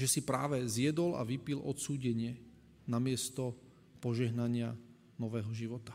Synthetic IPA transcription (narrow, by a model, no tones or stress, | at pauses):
ʒɛsipɾaːʋɛzɪɛd̪ɔla̰ʋipilɔ̰t̪suːɟɛɲɪɛ | namɪɛst̪ɔ | pɔʒɛɦnaɲɪa | nɔʋɛːɦɔʒiʋɔt̪ḁ